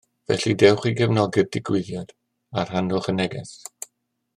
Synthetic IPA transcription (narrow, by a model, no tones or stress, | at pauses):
vɛ̰ɬidɛwχiɡɛvnɔɡɛb̚dɪɡwɪðjad̥ | ar̥hanʊχənɛɡɛs